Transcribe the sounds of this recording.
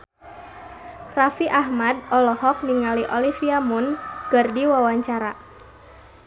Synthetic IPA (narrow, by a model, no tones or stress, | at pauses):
rafiʔahmad̚ɔlɔhɔk̚niŋaliʔɔlifiamʊnɡ̥ərdiwawaɲt͡ʃaɾa